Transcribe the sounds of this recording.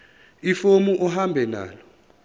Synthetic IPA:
ifomuʔɔɦambʱɛna̰ːlɔ

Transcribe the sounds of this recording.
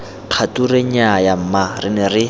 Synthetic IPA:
q͡χʰatureɲajam̩marɪ̰nɛrɪ

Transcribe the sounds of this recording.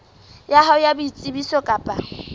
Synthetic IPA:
jaɦɔjabʊit͡sʼɪbisɔkʼaːpʼa̰

